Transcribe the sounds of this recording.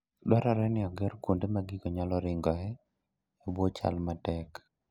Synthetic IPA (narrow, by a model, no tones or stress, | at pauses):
dɔɾaɾɛnɪɔɡɛɾkundemaɡɪɡɔɲalɔɾɪŋɡɔɛː | bwot͡ʃa̰lmatɛk